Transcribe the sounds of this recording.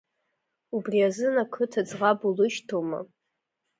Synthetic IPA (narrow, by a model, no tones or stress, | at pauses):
ubriazɨnakʰɨtʰad͡zʁabulɨʃtʰoma̰